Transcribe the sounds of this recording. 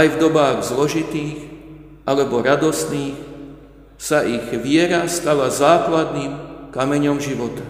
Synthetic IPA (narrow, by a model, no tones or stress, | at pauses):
ajvd̪ɔbaːɣzlɔʒit̪iːɣ | ʔalɛbɔɾad̪ɔst̪niːx | saʔiɣʋɪɛɾast̪aʋazaːklad̪niːmkamɛɲɔmʒiʋɔt̪ḁ